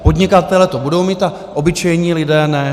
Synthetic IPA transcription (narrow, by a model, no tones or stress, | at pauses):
po̞d̪ɲɪkat̪ɛlɛt̪obudo̞wmiːt̪a | ʔo̞bɪt͡ʃɛjɲiːlɪdɛːnɛ